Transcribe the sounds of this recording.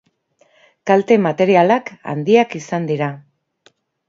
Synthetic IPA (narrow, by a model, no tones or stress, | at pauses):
kalt̪e̞mat̪e̞ɾialaka̰nd̪iakisand̪iɾa